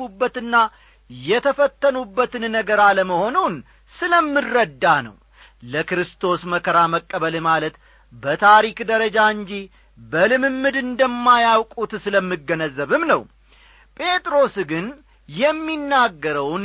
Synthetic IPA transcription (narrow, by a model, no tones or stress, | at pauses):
ubːət̪ɨnːa | jɛt̪ʰəfət̪ʰːənubːət̪ɨnnəɡəɾaləməho̞nun | sɨləmːɨrːəd̪ːanə̰w | ləkɾɨst̪ʰo̞sməkʰəɾaməkʼːəβəlmalət̪ | bət̪ʰaɾikd̪əɾəd͡ʒaɨɲd͡ʒi | bəlɨmɨmːɨd̪ɨnd̪əmːajawkʼut̪sɨləmːɨɡːənəzːəβɨmnəw | pʼʰe̞t̪ʼɾo̞sɡɨn | jɛmːinːaɡːəɾəwn